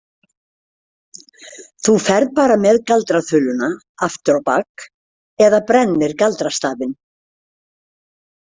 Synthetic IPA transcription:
θufɛɾðpaːɾamɛðkalt̪ɾaθʏlʏna | aft̪ʏɾawpak | ɛðapɾɛnːɪɾkalt̪ɾast̪aːvɪn

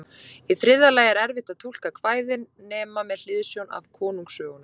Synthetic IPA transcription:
iθɾɪðːalaːjɛɾɛɾvɪht̪aðt̪ʰul̥kakʰvaːjðɪnːɛːmamɛðl̥ɪðsjowna̰v̥kʰɔːnuŋksœːɣʏnʏ

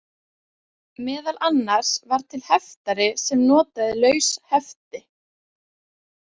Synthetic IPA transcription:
mɛːðalanːaɾ̥svaɾ̥t̪ʰɪlhɛft̪aɾɪsɛmnɔːt̪aðɪlœːɥshɛft̪ɪ

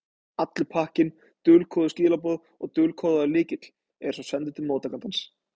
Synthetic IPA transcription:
at̪lɪpʰahcɪn | t̪ʏːlkʰɔːðʏsciːlapɔːð | ɔɣt̪ʏːlkʰɔːðaʏlɪːcɪt̪l̥ | ɛ̥sɔsɛnt̪ʏt̪ʰɪlmoːwt̪akant̪ans

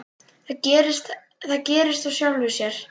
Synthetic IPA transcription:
θacɛːɾɪst̪ | θaðcɛːɾɪst̪asjawlvɪsjɛɾ̥

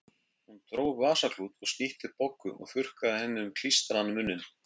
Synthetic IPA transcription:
hunt̪ɾoːwvaːsakʰluːt̪ɔɣsniht̪ɪpɔkːʏ̰ʔɔ̰ɣfʏr̥kaðɪhɛnːɪʏmkʰl̥ist̪ɾanmʏnːɪn

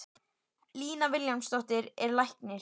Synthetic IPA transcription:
liːnavɪljawmst̪ɔht̪ɪɾɛɾlajhknɪ

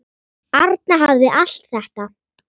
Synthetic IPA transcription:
aɾt̪̚naɦavðɪʔal̥t̪θɛht̪a

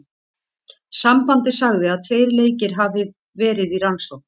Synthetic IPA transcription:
sampant̪ɪsaɣðɪaðt̪ʰveːjɾleːjcɪɾ̥ɦavɪ | vɛːɾɪðiɾansown

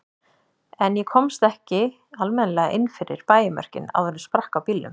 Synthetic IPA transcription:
ɛnjɛkʰɔmst̪ɛhcɪ | almɛnlɛɣaʔɪnːfɪɾɪɾ̥paːjɪmœ̰r̥cɪ̰na̰wθɛnːspɾahkawpiːlːʏ̰m

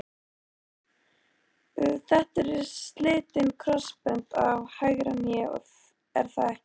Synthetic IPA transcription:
ʏθɛht̪ɛɾɛɾst̪lɪːt̪ɪnkʰɾɔspɛnt̪a̰vhajɣɾanjɛ̰ð | ɛɾ̥θa

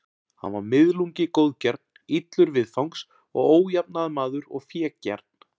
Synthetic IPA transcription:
ha̰nvaɾmɪðluŋcɪkoːwðcɛɾt̪̚n̥it̪lʏɾvɪðfawŋks | ɔ̰ɣoːwjapnaðmaːðʏɾɔ̰ɣfjɛːcɛ̰ɾt̪̚n̥

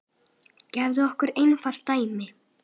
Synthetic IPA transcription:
cɛːvðʏɔhkʏɾejnfal̥t̪ajmɪ

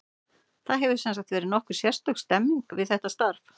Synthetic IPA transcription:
θaðɦɛvʏ̥sɛns̬akt̪vɛːɾɪnɔhkʏɾ̥sjɛ̥st̪œkst̪ɛmːiŋkvɪðθɛht̪ast̪aɾf

